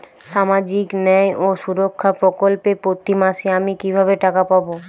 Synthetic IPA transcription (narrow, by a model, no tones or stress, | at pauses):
ʃamad͡ʑiknɛjʔoʃuɾokʰːapɾokolpepot̪ːimaʃeamikibʱabeʈakapabo